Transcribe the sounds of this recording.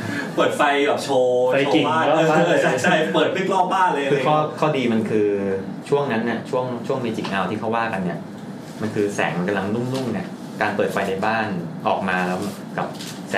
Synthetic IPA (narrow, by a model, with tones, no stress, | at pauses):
pɤː˨˩t̪̚fa˧jbɛː˨˩p̚t͡ɕʰoː˧a˧jki˨˩aː˥˩˦aː˥˧˩a˥˧a˥˩pɤː˨˩t̪̚li˦˥k̚lɔː˥˩baː˥˩ləː˧kɯː˧kʰɔː˥˩kʰɔː˥˩diː˧ma˧nkʰɯː˧ | t͡ɕʰu˥˩əŋna˦˥nːi˥˩ɐt͡ɕʰu˥˩əŋt͡ɕʰu˥˩əŋmeː˧t͡ɕi˨˩ŋʔaː˧wt̪ʰiː˥˩kʰa˦˥waː˥˩ka˧nːi˥˩ɐ | ma˧nkʰɯː˧sɛ̰ː˩˦ŋma˧ka˧mla˧ŋnu˥˩ŋnu˥˩ŋni˥˩ɐ | kaː˧npɤː˨˩t̪̚fa˧jna˧jbaː˥˩nʔɔː˨˩k̚maː˧lɛ˦˥wka̰˨˩p̚ | sɛ̰ː˨˩